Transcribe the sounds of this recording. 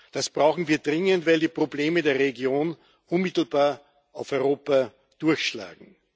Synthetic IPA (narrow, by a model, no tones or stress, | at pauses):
d̥asb̥ʁaʊxn̩viːɐd̥ʁɪŋəntvaɪldiːpʁ̥obleːmədeːɐʁeɡjoːn | ʔʊnmɪtl̩baːɐ | ʔaʊfɔʏʁoːpa | d̥ʊɐçʃla̰ːɡŋ̩